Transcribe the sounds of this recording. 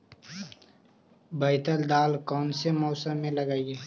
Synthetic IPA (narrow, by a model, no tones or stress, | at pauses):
bəɪt̪əld̪aːlkɔːnsemɔːsəmːẽlɐɡaːieː